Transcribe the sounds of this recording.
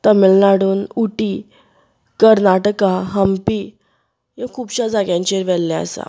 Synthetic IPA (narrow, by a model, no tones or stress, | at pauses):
t̪əmilnaɽuːnuʈi | kəɾnaʈkaɦəmpi | jẽkʰuːbɕad͡zaɡjãɲt͡ɕeɾʋɛlːaə̰sa̰